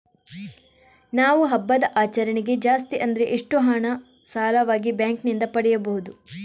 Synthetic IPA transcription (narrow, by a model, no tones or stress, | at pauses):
naːʋuɦɐbːɐd̪ɐʔaːt͡ʃɐɾɐɳiɡe̞d͡ʒaːst̪iʔɐnd̪ɐɾe̞ʔeʂʈuɦaːɳɐ | saːlɐʋaːɡibjaːŋknind̪ɐpɐɽɛjɐbɐɦud̪u